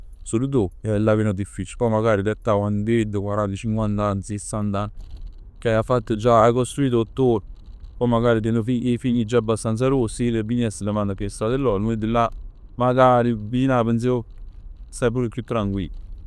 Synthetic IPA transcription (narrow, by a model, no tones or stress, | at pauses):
solud̪olaβinad̪ifːit͡ʃilpɔjmaɡaːɾid̪ɛt̪ːawand̪ed̪əkwaɾant̪at͡ʃiŋkwant̪ansisand̪an | kajafat̪ːod͡ʒaakost̪ɾuiːt̪ot̪ːo | pɔmaɡaːɾit̪enofiʔefiɲːid͡ʒaabːast̪ans̬aɾosilebinɛsəlemand̪akest̪ad̪elːɔlmed̪ilːa | maɡaɾibinabens̬eo | sapuɾekːut̪ːɾaŋɡwḭ